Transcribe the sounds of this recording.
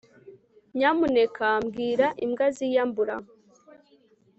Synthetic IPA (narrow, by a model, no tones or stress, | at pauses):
ɲamunekʰamɡiːɾaʔimɡazijambuɾa